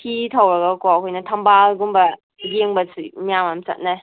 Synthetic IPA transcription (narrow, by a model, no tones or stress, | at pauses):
kʰitʰawɾaɡɐkɔɐkʰojnɐtʰɐmbalɡumbɐ | ɡeŋbɐsʰinijamamt͡ʃɐ̰t̚naj